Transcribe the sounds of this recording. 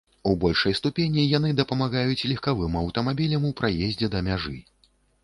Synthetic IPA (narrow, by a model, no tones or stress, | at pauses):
ubɔlʲʂɐjst̪upʲenʲijanɨd̪ɐpɐmaɣajut͡sʲlʲixkavɨmɐwt̪ɐmabʲilʲɐmuwpɾajezʲd͡zʲɛd̪ɐmʲaʐɨ